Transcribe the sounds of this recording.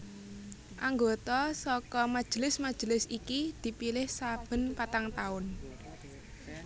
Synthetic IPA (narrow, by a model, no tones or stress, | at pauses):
ʔaŋɡot̪ɔsɔkɔmḁʒ̥ə̤lɪsmḁʒ̥ə̤lɪsikid̪̥i̤pilɪhsab̥ə̤npat̪aŋt̪aʊn